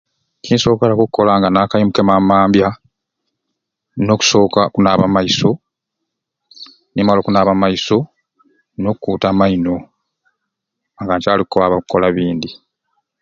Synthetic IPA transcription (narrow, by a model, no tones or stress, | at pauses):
ciːnso̞ːkalakukukʰːo̞laːŋɡanaːkajimuke̞mamaːmbja | no̞ku̥sokakunaːβamaiso̞ | nimalo̞kunaːβamaiso̞ | nokukuːtamaino̞ | ŋɡaːɲcaːlikukoaβakukːo̞laβiːnd̪i